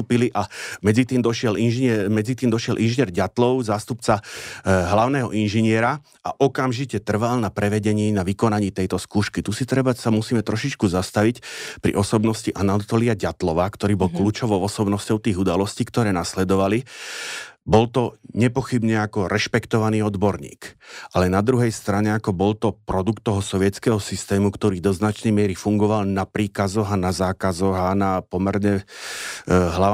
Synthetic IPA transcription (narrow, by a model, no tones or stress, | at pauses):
t̪uːpiliʔamɛd͡zit̪iːmd̪ɔʃɛlinʒɛmɛd͡zit̪iːmd̪ɔʃjɛlʔinʒiɲɪɛɾɟat̪lɔʊzaːst̪upt͡saɦlaʊnɛːɦɔ̰ʔinʒiɲɪɛɾa | aʔɔkamʒicɛt̪r̩ʋalnapɾɛʋɛɟɛɲiːnaʋikɔnaɲiːt̪ɛjt̪ɔskuːʃkit̪usit̪ɾɛbasamusiːmɛt̪ɾɔʃit͡ʃkuzast̪aʋicpɾḭʔɔsɔbnɔsciʔanat̪ɔliaɟat̪lɔʋaːkt̪ɔɾiːbɔlkluːt͡ʃɔʋɔʊɔsɔbnɔscɔʊt̪iːɣud̪alɔsciːkt̪ɔɾɛːnaslɛd̪ɔʋali | bɔlt̪ɔɲɛpɔxibɲɛakɔɾʔɛʃpɛkt̪ɔʋaniːɔd̪bɔɾɲḭːkʔalɛnad̪ɾuɦɛjst̪ɾaɲɛakɔbɔlt̪ɔpɾɔd̪ukt̪ːɔɦɔsɔʋɪɛt̪t͡skɛːɦɔsist̪ɛːmukt̪ɔɾiːd̪ɔznat͡ʃnɛjmɪɛɾifuŋɡɔʋalnapɾiːkazɔɣanazaːkazɔɣanapɔmɛɾɲɛ | ɦla